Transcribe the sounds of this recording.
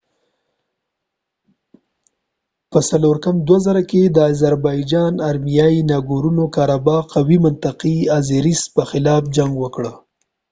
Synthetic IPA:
pəsaloɾkamd̪wazaɾaked̪əazaɾbɑjd͡ʒɑnaɾmijɑinɑɡoɾunokɑɾabɑqawimʊnt̪aqiazeɾispəxɪlɑfd͡ʒaŋɡwəkɽə

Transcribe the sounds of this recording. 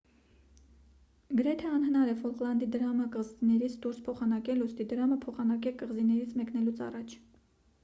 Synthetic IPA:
ɡəɾɛt̪ʰɛɑnhənɑɾɛfɔlqlɑnd̪id̪əɾɑməkəʁzinɛɾit͡sʰd̪uɾspʰɔχɑnɑkɛlust̪id̪əɾɑməpʰɔχɑnɑkɛkəʁzinɛɾit͡sʰmɛknɛlut͡sʰɑ̰rɑt͡ʃʰ

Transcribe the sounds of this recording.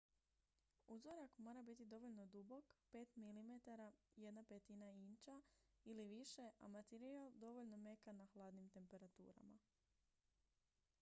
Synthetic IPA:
uzoɾakmo̞ɾabit̪id̪o̞ʋo̞ʎno̞d̪ubo̞kpe̞ːt̪milimet̪aɾaje̞d̪napet̪inaint͡ʃailiʋiʃe̞ʔa̰mat̪eɾialˠd̪o̞ʋoʎno̞me̞kanaxlˠaːd̪nimt̪e̞mpe̞ɾat̪ṵːɾa̰ma̰

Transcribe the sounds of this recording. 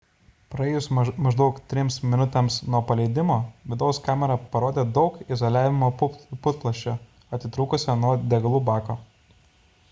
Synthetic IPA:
pɾɐɛːjʊsmɐʒd̪ɒʊkt̪ʲɾʲɪmsmʲɪnʊt̪ʲɛmsnuɔpɐlʲɛɪd̪ʲɪmoːʋʲɪd̪ɒʊskɑːmʲɛɾɑpɐɾoːd̪ʲeːd̪ɒʊkɪzoːlʲæːʋʲɪmoːpʊpʊt̪̚klˠɐʃʲt͡ʃʲoː | ɐt̪ʲɪt̪ɾuːkʊsʲɛnuɔd̪ʲɛɡɐlˠuːbɑːkoː

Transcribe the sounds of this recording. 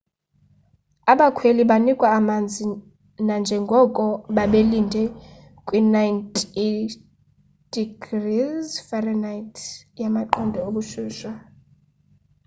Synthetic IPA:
aɓakʰweliɓanikʼwaːmand͡zʱi | nand͡ʒʱɛŋɡʱɔkʼɔɓaɓelindʱɛ | kʼwinajntʰi | d̥iɡrizfɛrɛnajtʰjamaǃɔndʱɛoɓuʃuːʃa

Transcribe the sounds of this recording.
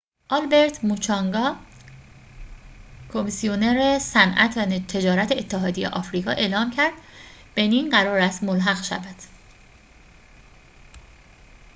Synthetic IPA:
ʔɒlbe̞ɾt̪ʰmut͡ʃʰɒŋɡɒː | kʰo̞misioneɾesænʔæ̰t̪ʰvænt̪ʰe̞d͡ʒɒːɾæt̪ʰeːt̪ʰːeɦɒːd̪ijḛʔɒːfɾiːɡɒ̰ːʔe̞ːlɒːmcʰæɾd̪̥b̥e̞niːnɢæɾɒːɾæst̪molɦæɣʃæ̰væd̪̥

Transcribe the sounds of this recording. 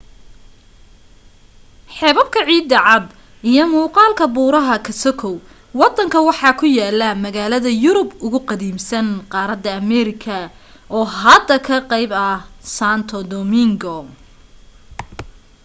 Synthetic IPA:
ħɛːβɐb̚kʰɐʕiːd̪ɐʕɑd̪ | ijɔmuːqɑːlkʰɐbuːɾɐɦɐkʰɐsɔkʰɔw | wɑd̪ɐŋkʰɐwɑħɑːkʰʊjaːlːɐmɐɣaːlɐðɐjʊɾʊbʊɣʊqɑðiːmsɐnqɑːɾɐd̪ːɐːmɛɾɪkʰɐ | ʔɔːɦɐd̪ɐkʰɐqɑjbɐsaːnt̪ʰɔd̪ɔmɪŋɡɔ

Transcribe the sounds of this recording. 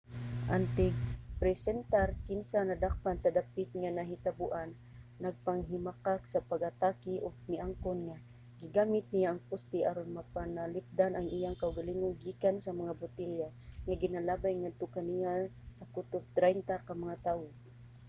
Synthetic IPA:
ʔant̪ɪɡpɾɛsɛnt̪aɾkɪnsanad̪ak̚pansad̪apɪt̪̚ŋanaɦɪt̪abʊʔanː | ɐɡ̚paŋɦɪmakaksapaɡat̪akɪʔoɡ̚nɪʔaŋkonŋa | ɡɪɡaːmɪt̪̚nɪjaʔɐŋpʊst̪ɪʔaɾʊnmapanalɪp̚d̪anaŋʔijaŋkaʔʊɡaliŋʊnɡiːkansamaŋabʊt̪ɪljaŋaɡɪnalaːbajŋad̪̚t̪ʊkanijasakut̪ʊb̚t̪ɾajnt̪akamaŋat̪aːwo

